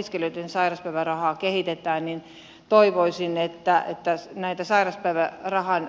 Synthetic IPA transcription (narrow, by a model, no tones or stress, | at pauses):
iskeløit̪ːensɑirɑspæiʋærɑhɑːkehit̪et̪æːnnin | t̪oiʋoisinet̪ːæḛt̪ːænæit̪æsɑirɑspæiʋærɑhɑn